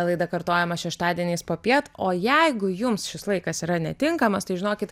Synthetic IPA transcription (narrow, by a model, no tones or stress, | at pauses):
lˠɐɪd̪ɐkɐrt̪oːjɛmɐʃʲɛʃt̪ɑːd̪ʲiɛnʲeːspoːpʲiɛt̪oːjɛɪɡʊjʊmsʃʲɪslˠɐɪkɐsiːɾɐnʲɛt̪ʲɪŋkɐmɐst̪ɐɪʒʲɪnoːkʲɪt̪